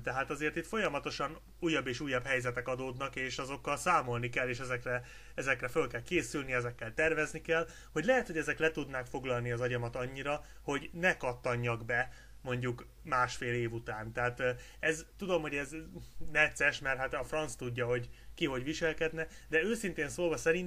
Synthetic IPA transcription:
t̪ɛɦaːt̪ɒzeːrt̪it̪fo̞jɒmɒt̪o̞ʃɒn | uːjːɒbːeːʃuːjːɒbhɛjzɛt̪ɛkɒd̪oːd̪nɒkeːʃɒzo̞kːɒlsaːmo̞lnikɛlːeːʃɛzɛkrɛ | ɛzɛkrɛfølkɛlkeːsylniɛzɛkːɛlt̪ɛrvɛznikɛl | ho̞ɟʲlɛɦɛt̪hoɟɛzɛklɛt̪ud̪naːkfo̞ɡlɒlniɒzɒɟɒmɒt̪ɒɲːiɾɒ | ho̞ɟnɛkɒt̪ːɒɲːɒɡbɛ | mo̞ɲɟuk | maːʃfeːleːvut̪aːnt̪ɛɦat̪ | ɛzt̪ud̪o̞mho̞ɟɛznɛt̪sːɛʃmɛrt̪hat̪ɒfrɒnst̪uɟːɒɦo̞ɟkiɦo̞ɟvʋiʃɛlkɛd̪nɛ | d̪ɛøːsint̪eːnsoːlvɒsɛɾin

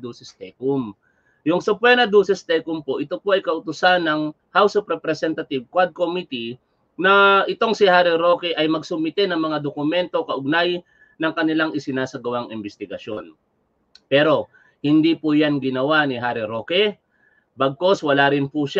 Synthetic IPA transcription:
d̪uːsɛst̪ɛkum | jʊŋsʊpwɛnɐd̪uːsɛst̪ɛkʊmpo̞ʔɪt̪opoʔɐjkɐʔʊt̪ʊsanːɐŋ | hawsopɾɛpɾɛsɛnt̪ɐt̪ɪb̚kwad̪̚komit̪i | nɐʔɪt̪o̞ŋsɪhaːɾiɾo̞kɛʔɐjmɐɡsʊmɪt̪ɛnɐŋmɐŋad̪okʊmɛnt̪o̞kɐʔʊɡ̚naj | nɐŋkɐnɪlaŋʔɪsɪnaːsɐɡɐwaŋʔɪmbɪst̪ɪɡɐʃjo̞n | pɛːɾo̞ | hɪnd̪ipʊjanɡɪnɐwanɪɦaɾiɾoːkɛ | bɐɡ̚ko̞swɐlaɾɪnpʊʃa

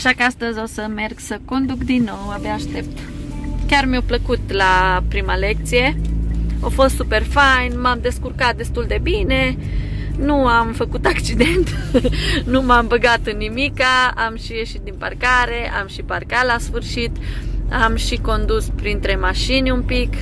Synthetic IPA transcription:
aʃakəast̪əzʲosəme̞rɡsəko̞nd̪ukd̪inːo̞wabaːʃt̪e̞p̚t̪kʲarmiopləkut̪lapɾimale̞k̚t̪sije̞ | ofo̞st̪supe̞rfajnmamd̪e̞skurkat̪̚d̪e̞st̪uld̪e̞bine̞ | nuamfəkut̪ak̚t͡ʃid̪ent̪ | numambəɡat̪ɨnːimikaamʃije̞ʃit̪̚d̪imparkaɾe̞ʔamʃiparkalasfɨrʃit̪amʃiko̞nd̪uspɾint̪ɾe̞maʃinʲumpik

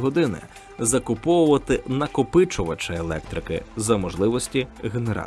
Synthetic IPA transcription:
ɦɔd̪ɪnɪ̰ | zɐkʊpɔwʊʋɐt̪ɪnɐkɔpɪt͡ʃʊʋɐt͡ʃɐelˠɛ̰k̚t̪ɾɪkɪ̰zɐmɔʒlˠɪʋɔsʲtʲiɦeneɾɑ̰

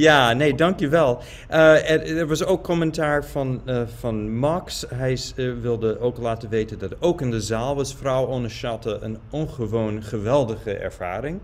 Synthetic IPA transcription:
jaːneːdɑŋkjəʋɛlˠ | ʔəɛɛɹʋɑsowkʰːɔmɛntaːɹvɑnvɑnmɑksɦɛjʋɪlˠdəʔowklaːtəʋejtəndɑtowkɪndəzaːlˠʋɑsfrawɔnəʃɑtəʔənʔɔnχəʋonχəʋɛlˠdəχəʔɛ̰ɹv̥a̰ːɾɪŋ

